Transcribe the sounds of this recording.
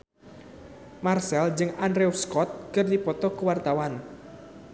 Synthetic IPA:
marsɛld͡ʒɨŋandɾɛuskɔt̪̚kɨrdipɔt̪ɔkəwart̪awan

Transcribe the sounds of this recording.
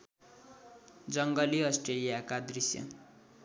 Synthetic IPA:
d͡zʌŋɡʌliʌsʈrelijakad̪risjʌ̰

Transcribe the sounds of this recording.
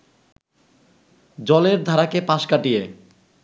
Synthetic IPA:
d͡ʑɔleɾd̪ʱaɾakepãʃkaʈie

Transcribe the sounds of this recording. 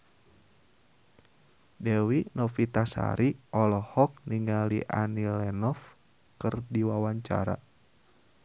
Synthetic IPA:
dɛwinɔfit̪asa̰ɾiɔlɔhɔk̚niŋalḭʔa̰nilɛnɔf | kɨrdiwawaɲt͡ʃa̰ɾa̰

